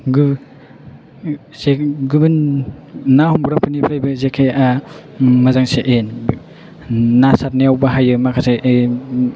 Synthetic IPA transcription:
ɡ | seɡɯbinː | ahumɡɾampʰɯnipʰɾajbɯzekʰeja | mazaŋseʔen | nasat̚neawbaɦajɯmakʰaseʔe

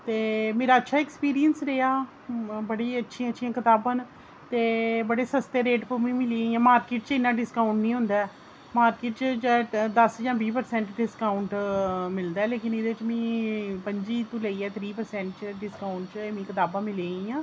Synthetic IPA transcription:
t̪eːmeːɾaːətːʃʰaːɛkspiːɾijənsɾeaː | bəɽiːətːʃʰijãːətːʃʰijãːkɪt̪aːbãːn | t̪eːbəɽeːsəst̪eːɾeːʈpəmĩːmɪliaiãːmaːɾkeːʈt͡ʃɪnːãːɖɪskaːʊɳʈnĩːɦʊ̃nd̪aːɛː | maːɾkeːʈt͡ʃt͡ʃed̪əsd͡ʒãːbiːpəɾsɛ̃ːɳʈɖɪskaːʊɳʈmɪld̪aːɛːleːkɪnɪd̪eːʋɪt͡ʃmĩːpəɲd͡ʒiːt̪ũːleiɛːt̪ʰɾiːpəɾsɛ̃ːɳʈt͡ʃəɖɪskaːʊɳʈt͡ʃːmĩːkɪt̪aːbãːmɪliaiãː

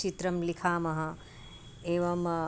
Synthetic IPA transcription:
t͡ʃit̪ɾɐmlikʰaːmɐɦɐ̃ | eːʋɐm

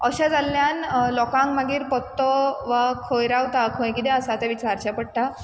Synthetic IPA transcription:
əɕad͡zalːjanlɔkãŋkmaɡiːɾpɔt̪ːɔʋakʰojɾawt̪akʰõj̃kid̪ɛ̃əsat̪ɛʋit͡ɕaɾt͡ɕapəɽ̚ʈ̪a

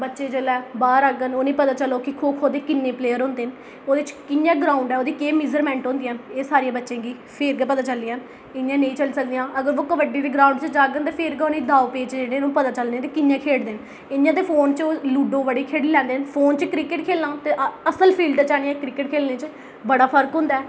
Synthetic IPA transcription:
bətːʃeːd͡ʒəlɛːbaːɾaɡənoːnĩːpət̪aːt͡ʃəloːkɪkʰoːkʰoːd̪eːkɪnːeːpleːəɾɦõːnd̪eːn | oːd̪eɪt͡ʃkɪnjãːɡɾaːʊɳɖɛːoːd̪iːkeːmɪd͡ʒəɾmɛ̃ːɳʈɦõːnd̪iːəːneːsaːɾijãːbətːʃẽːɡiː | pʰeɾɡɛːpət̪aːt͡ʃəlːiːəːn | ɪnjãːnə̃ĩːt͡ʃəlːsək̚d̪ijãːʔəɡəɾʋoːkəʋəɖiːd̪iːɡɾaːuɳɖt͡ʃd͡ʒaːɡənt̪eːpʰɪɾɡaonĩːd̪aːopeːt͡ʃeːɽẽːnũːpət̪aːt͡ʃəlẽːt̪eːkɪnjãːkʰeːɽd̪eːn | ɪnjãːt̪eːpʰoːnt͡ʃoːluːɖõːʋəɽiːkʰeːɽilɛ̃ːnd̪eːnpʰoːnt͡ʃkɾɪkɪʈkʰeːlnãːt̪eːʔəsəlpʰiːlɖt͡ʃaːɽĩːɛ̃ːkɾɪkɪʈkʰeːlneːt͡ʃ | bəɽaːpʰəɾkɦʊ̃ːnd̪aː

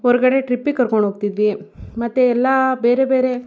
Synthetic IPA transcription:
ɦɔɾɡɐɽe̞ʈɾipːikɐɾkoɳɖɦoːɡt̪id̪ʋimɐt̪ːeɛlːabeːɾebe̞ːɾe̞

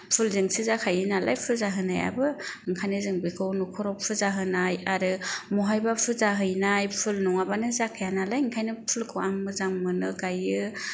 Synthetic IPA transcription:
pʰulzɯŋsizakʰajɯnala̰jpʰɯlzaɦɯnaja̰bɯɯŋkʰajnɯzɯŋbikʰɯwnukʰɔɾɔpʰɯzaɦɯnajaɾɯmuɦajbapʰɯzaɦɯjnajpʰulnɔŋabanɯzakʰajanalajŋkʰajnɯpʰulkʰɯwaŋmɯzaŋmɯnɯɡajɯ

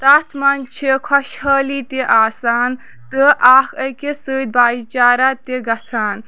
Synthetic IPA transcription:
t̪ɐt̪ʰmɐnt͡ʃʰikʰɐʃhəːlit̪eʔaːsaːn | t̪ɨʔaːkʰəjkesɨːd̪̚baːit͡ʃaːɾat̪eɡɐt͡sʰaːn

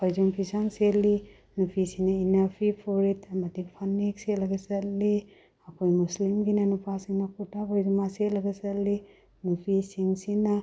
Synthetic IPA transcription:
pʰojzuŋpʰisaŋseli | nupʰisinɐinapʰipʰuɾitʰɐmɐdipʰanik̚setlɐɡɐsɐt̚li | ɐkʰojmuslimɡinɐnupʰasiŋnɐkʰutapojzumasetlɐɡɐsɐtli | nupʰisiŋsinɐ

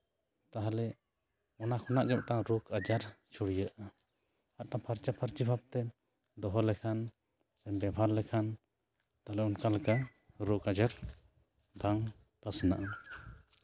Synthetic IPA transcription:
t̪aɦalɛ | ɔnakʰɔnaʔɡɛm̚ʈaŋɾukad͡ʒaɾt͡ʃʰuɽijəʔa | aʔ̪̚ʈapʰaɾt͡ʃapʰaɾt͡ʃibʱab̚t̪ɛ | d̪ɔɦɔlɛkʰan | sɛnbɛbʱaɾlɛkʰan | t̪aɦlɛɔnkalka | ɾukad͡ʒaɾ | daŋ | pasna̰ʔa

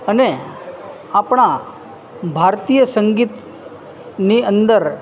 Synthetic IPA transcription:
əne | apɳ̃a | bʱaɾt̪ijəsəŋɡiːt̪ | niənd̪əɾ

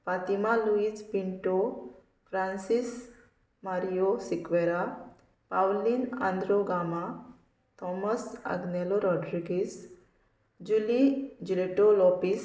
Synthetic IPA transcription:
fat̪imaluid͡zpiɳʈo | fɾansis | maɾijosikʋeɾa | pawlinã̰nd̪ɾoɡama | t̪ɔməsa̰ɡnɛloɾɔɖɾiɡis | d͡ʑulid͡ʑileʈolɔpis

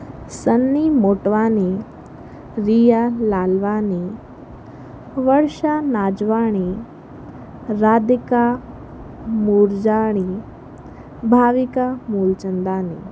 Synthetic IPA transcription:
sənːimoʈʋani | ɾijalalʋani | ʋəɽʂanad͡ʑʋaɽ̃i | ɾad̪ika | muːɾd͡ʑaɽ̃i | bʱaʋikamult͡ɕənd̪ani

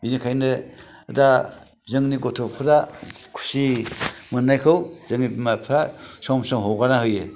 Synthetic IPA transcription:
inikʰajnɯ | da | zɯŋniɡɔtʰɔpʰɯɾakʰu̥simɯnːajkʰɯwzɯŋnibmapʰɾasɔmsɔŋɦɔwɡanahɯjɯ

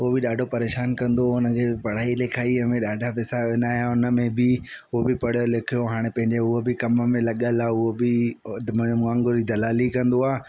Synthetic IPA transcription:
ʊɦobɪɗaːɖʱopɐɾeːʃaːnkɐ̃nd̪oʊnəkʰeːpɐɽ̤aːilɪkʰaːiəmẽɗaːɖʱapɪsaʋɪnaːjaʊnə̆mẽbɪ | ʊɦobɪpɐɽ̤jolekʰijoɦaːɽ̃epɐ̃ɦɪ̃ɲd͡ʑeʊɦobɪkɐməmẽlɐɠəlaːʊɦobɪmmãːŋɡoɾid̪ɐlaːlikɐ̃nd̪oaː

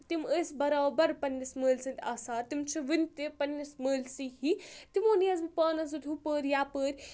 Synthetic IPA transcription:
t̪iməːsʲbɐɾaːbɐɾpɐnʲːisməːlʲsɨnt̪ʰʲaːsaːt̪imt͡ʃʰiʋinʲt̪epɐnʲːisməːlʲsiɦit̪imoːniɐzmpaːnɐzɨd̪ʲʱupəːɾʲjaːpəːɾʲ

